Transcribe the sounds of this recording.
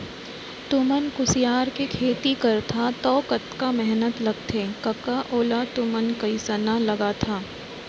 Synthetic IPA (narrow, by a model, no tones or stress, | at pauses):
t̪ʊmənkʊsɪjaːɾkekʰeːt̪ikɐɾt̪ʰat̪ɔːkət̪kamɛɦnət̪lɐɡ̚t̪ʰeːkɐkaʔoːlat̪ʊmənkɐisənalɐɡat̪ʰaː